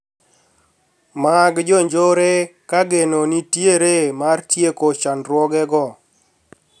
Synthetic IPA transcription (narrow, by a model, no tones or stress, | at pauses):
maɡd͡ʒɔɲd͡ʒoɾekaɡenonitjeɾemartjekot͡ʃanɾwɔɡɛɡɔ